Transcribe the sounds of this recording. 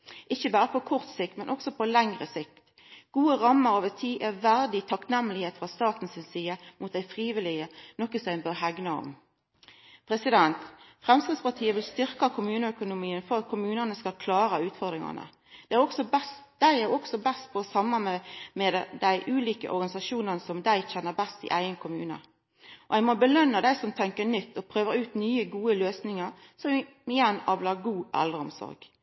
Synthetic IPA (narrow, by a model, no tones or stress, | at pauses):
ʔɪçːəbɑːɾəpʰɔkʰʊʁt̪sɪk̚t̪mɛnʔɔksɔpʰɔlæŋʁəsɪkt̪ | ɡ̥uːəʁɑmːəɾɑʋət̪ʰiːʔɛʋæʁd̪ɪt̪ʰɑknɛmːəlɪheːt̪fʁɑst̪ɑːt̪n̩sɪnsiːəmʔʊt̪̚d̪æɪfʁiːʋɪlɪənɔkːəsœɪnbøɦæɡnɑʁɔ̰m | pʰʁɛsɪd̪ɛnt̪fʁɛmskɾɪd̪spɑʁt̪ʰiːəʋɪlst̪ʏʁkɑkʰʊmʉːnəœkʊnʊmiːənfɔʁɑt̪̚kʰʊmʉːnənəskɑlkʰlɑːɾəʉːt̪fɔʁd̪ʁɪŋɑ̰nə̰ | d̪̥ɛæʁɔksɔbɛst̪d̪̥æɪæɾɔksɔbɛst̪̚pʰɔːsɑmːɑmɛmɛd̪æɪʔʉːliːkə̰ʔɔ̰ɾɡɑnɪsɑʃuːnənəsɔmd̪æɪçɛnːəʁbɛst̪ɪ̰ʔæɪənkʰʊmʉ̰ːnə̰ | ʔɔæɪmɔbəlœnːəd̪æɪsɔmt̪ʰɛŋkənʏt̪ːɔpʰʁøːʋəʁʉːt̪nyːəɡuːəløːsnɪŋəʁ | sɔm | mɪjɛnːɑːʋlɑːɡuːʔɛ̰lʁəɔ̰msɔ̰ɾɡ̥